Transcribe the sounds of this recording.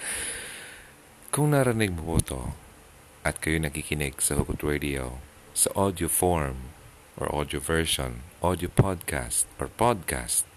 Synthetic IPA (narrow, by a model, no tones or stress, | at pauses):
kʊŋnaɾɐnɪɡ̚mʊput̪o̰ | ʔɐt̪̚kɐjonɐkikɪnɪɡsɐhʊkʊt̪ɹed̪ɪo | sɐʔod̪jofoɹm | ʔɔ̰ɹʔo̰d̪jovɛɹʃo̰nʔod̪jopʰod̪̚kʰa̰st̪ʔɔɹpod̪̚kʰa̰st̪̚